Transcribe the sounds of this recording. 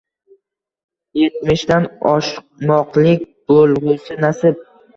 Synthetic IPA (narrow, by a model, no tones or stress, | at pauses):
je̞t̪mɪʃd̪anɒʃq̚mɒqlɪkʲb̥olˠʁʊsɪnasɪp̚